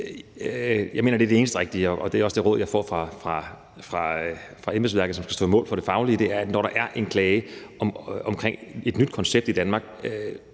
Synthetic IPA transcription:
jɑ̈mḛːnɐd̥e̝ɐd̥e̝eːn̩sd̥ʁeɡ̥̚d̥iəɒʔɒ̽d̥e̝æɒ̽sd̥e̝ʁɔ̽ð̰ˠjɑ̈ɪfɒ̰ːfʁɑ̈fʁɑ̈ | fʁɑ̈fʁɑ̈emesʋæɐɡ̥̩ˠsɒ̽msɡ̥æsd̥ɔ̰ːmɔ̰ːlfɒ̽ɾ̥e̝fɑ̈ʊliəd̥e̝æɐæd̥nɒɾ̥ɑ̈ʔæɐʔe̝nkʰlɛːɪəɒmɒ̽mkʰʁeŋ̰e̝d̥nyd̥̚kʰɒ̽nseb̥d̥id̥ænmɑ̈ːɡ̥̚

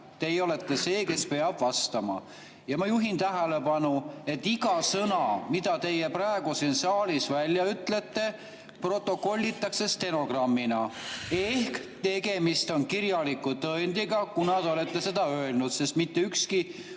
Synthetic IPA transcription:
t̪e̞jo̞le̞t̪ːe̞se̞ːke̞spe̞ɑbvɑst̪ɑmɑ̰ | jɑmɑjuɦint̪æɦele̞pɑnue̞t̪ːiɡɑsɤnɑmid̪̥ɑt̪e̞jepræeɡ̥usinsɑːlisvælʲjɑyt̪ːˑle̞t̪ːe̞ | pro̞t̪ːˑo̞ko̞lʲːit̪ːˑɑkse̞st̪e̞no̞ɡrɑmːinɑehkt̪e̞ɡe̞mist̪o̞nkiɾjɑlikːut̪ɤend̪̥iɡɑkunɑd̪o̞le̞t̪ːe̞se̞d̪̥ɑøelnud̪se̞st̪mit̪ːeykski

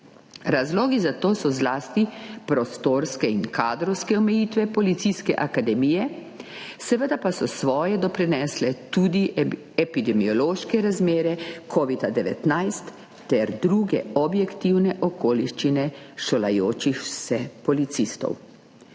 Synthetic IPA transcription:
ɾazloːɡizat̪oːsɔzlaːst̪ipɾɔst̪oːɾskɛinkaːd̪ɾɔwskɛɔmɛjiːt̪ʋɛpɔlit̪siskɛ̰ʔakad̪ɛmiːjɛ | sɛʋəd̪apasɔsʋɔːjɛd̪ɔpɾinɛːslɛt̪uːd̪i | ɛpid̪ɛmiɔloːʃkɛɾazmeːɾɛkʰoːʋid̪ad̪ɛʋɛ̰t̪najst̪ː | ɛɾd̪ɾuɡɛɔbjɛkt̪iwnɛʔɔkoːliʃt͡ʃinɛʃola̰joːt͡ʃixsɛpɔlit̪sist̪ɔ̰w

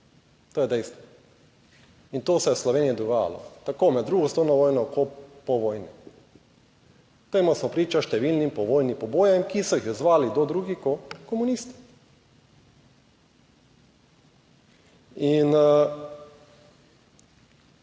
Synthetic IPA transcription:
t̪oːjɛd̪ɛjst̪ʋɔ | int̪oːsɛjɛslɔʋeːnijɛd̪ɔɡaːja̰lɔ̰t̪akomɛd̪d̪ːɾuːɡɔsownɔʋɔjnɔkɔpɔʋɔjni | t̪emɔsmɔpɾiːt͡ʃaʃt̪ɛʋilnimpɔʋoːjnipɔboːjɛmkisɔjixɛzʋaːlid̪ɔd̪ɾuːɡikɔkɔmunist̪i̥ | in

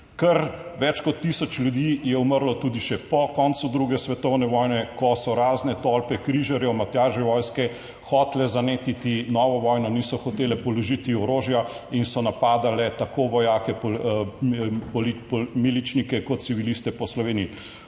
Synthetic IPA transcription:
kəɾʋɛt͡ʃkɔt̪ːisɔt͡ʃlʲjud̪ijɛuməɾlɔt̪uːd̪iʃɛpɔkɔnt̪sud̪ɾuɡɛsʋɛt̪ɔwnɛʋɔːjnɛkɔsɔɾaːznɛt̪ɔlpɛkɾiʒaɾjɔmat̪jaːʒɛʋɔːjskɛ | xɔt̪lɛzaneːt̪it̪inɔːʋɔʋɔjnɔnisɔxɔt̪eːlɛpɔlɔʒit̪iɔɾoʒjainsɔnapaːd̪alɛt̪akoʋɔjaːkɛp | pɔlipmilit͡ʃnikɛkɔt̪t̪siʋilist̪ɛpɔslɔʋeːniji

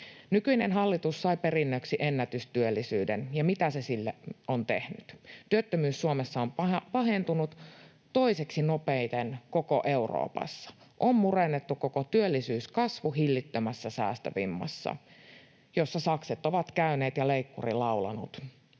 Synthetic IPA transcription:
nykyinenɦɑlːit̪usːɑipe̞rinːøksiʔenːæt̪yst̪yølːisyːdenjɑmit̪æsesilːeont̪e̞hnyt̪t̪yøt̪ːømyːsːuomesːɑompɑɦe̞nt̪unut̪ | to̞iseksino̞pejt̪enko̞koʔe̞uro̰ːpɑ̰sːɑ̥ | ʔommurenːet̪ːukokot̪yølːisyːskɑsʋuɦilːit̪ːømæsːæsæ̰ːst̪ø̰ʋḭmːɑ̰sːɑ̰ | jo̞sːɑsɑkset̪oʋɑt̪kæyne̞ːt̪jɑleikːṵrilɑuwlɑ̰nut̪

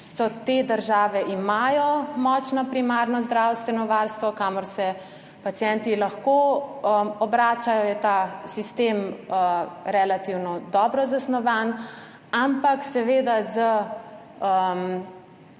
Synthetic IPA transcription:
sɔt̪ed̪əɾʒaːʋɛʔimajɔmɔːt͡ʃnɔpɾimaɾnɔzd̪ɾawst̪ʋɛnɔʋaɾst̪ʋɔkamɔɾsɛ | pat̪sjɛnt̪ilaxkoəɔbɾaːt͡ʃajɔjɛt̪asist̪eːməɾɛlat̪iwnɔd̪ɔːbɾɔzasnɔʋan | ampaksɛʋeːd̪azə | əm

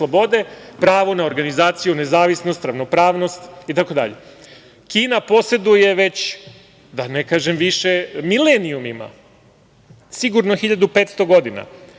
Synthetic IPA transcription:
slˠobo̞d̪e̞pɾaːʋonao̞ɾɡanizaːt̪sijune̞zaːʋisno̞st̪ɾaʋno̞pɾaːʋno̞st̪it̪ako̞d̪a̰ʎḛ | kiːnapo̞se̞d̪uje̞ʋe̞t͡ɕ | d̪anekaːʒe̞mʋiʃemileniumima̰ | siɡuɾnoxiʎad̪upeːt̪st̪o̞ɡo̞d̪ina̰

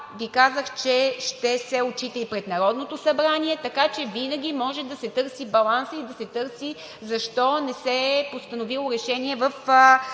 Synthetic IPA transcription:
vikazəxt͡ʃɛʃt̪ɛsɛot͡ʃit̪əipɾɛt̪nɐɾɔd̪not̪osɐbɾaniɛt̪ɐkat͡ʃɛvinəɡʲimɔʒɛd̪ɐsɛt̪ɤɾsibɐlˠansəid̪ɐsɛt̪ɤɾsi | zɐʃt̪ɔnɛsɛpost̪ɐnovilˠoɾɛʃɛniɛvɐf

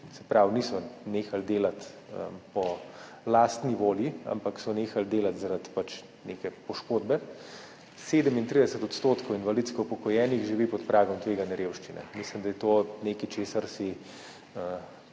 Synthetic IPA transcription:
sɛ̥pɾawniːsɔneːxald̪eːlat̪ə̰pɔ | laːst̪niʋoːljia̰mpaksɔneːxald̪eːlat̪zaɾat̪pat͡ʃ | nekɛpɔʃkoːd̪bɛ | seːd̪əmint̪ɾid̪ɛsət̪ɔt̪st̪oːt̪kʰowinʋalit̪skɔupɔkɔjɛːnixʒiʋiːpɔt̪pɾʔaːɡɔmt̪ʋeːɡanjɛɾeːwʃt͡ʃinɛ̰mislimd̪ajɛt̪oːneːkit͡ʃeːsaɾsi | ə

